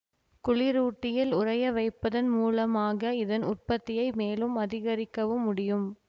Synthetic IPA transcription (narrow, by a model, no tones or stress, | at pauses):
kʊɭɪɾuːʈːɪjɪlʊrɐjɐʋɐɪpːɐðɐnmuːlɐmaːɣɐɪðɐnʊrpɐt̪ːɪjɐɪmeːlɯmɐðɪɣɐɾɪkːɐʋɯmːʊɽɪjɯm